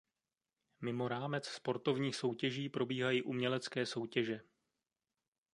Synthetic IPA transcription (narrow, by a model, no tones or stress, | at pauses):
mɪmo̞ɾaːmɛt͡sspo̞ɾt̪o̞vɲiːxso̞wcɛʒiːpɾo̞biːɦajiːʔumɲɛlɛt͡skɛːso̞wcɛʒɛ